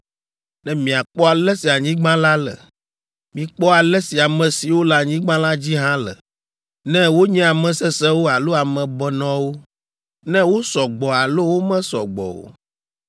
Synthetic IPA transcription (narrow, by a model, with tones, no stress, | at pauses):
nɛ̃˦mĩ˨a˨k͡pɔ˦a˨lɛ˦si˨a˨ɲĩ˦ɡ͡bã˦la˦lɛ̰˨ | mĩ˨k͡pɔ˦a˨lɛ˦si˨a˨mɛ̃˨si˨wo˦la˨ɲĩ˦ɡ͡bã˦la˦d͡ʑi˦ɦã˦lə̰˨ | nɛ̃˦wo˦ɲɛ̃˦a˨mɛ̃˨sɛ˦sɛ˦wo˦a˨lo˦a˨mɛ̃˨bɛ˨nɔ̃˦wo˦ | nɛ̃˦wo˦sɔ˨ɡ͡bɔ˨a˨lo˦wo˦mɛ̃˦sɔ̰˨ɡ͡bɔ̰˨wo̰˨